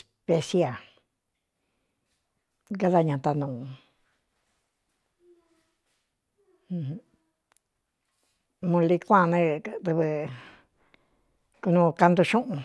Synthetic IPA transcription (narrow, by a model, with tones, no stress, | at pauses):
s | pe˧sja˨ | ɡa˦ða˧ɲã˨˧t̪a˧nũː˨˧ | hũ˧h | mũ˧li˧kʷã˦˨˧nẽ˦t̪ɨ˧βɨ˧ | ku˧nũ˧ka˧nd̪u˧ʃũ˦ʔũ˧